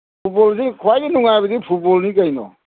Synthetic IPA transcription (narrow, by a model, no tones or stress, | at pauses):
pʰut̚bɔlsikʰuwajɡinuŋajbɐdipʰut̚bɔlnikɐjnɔ̰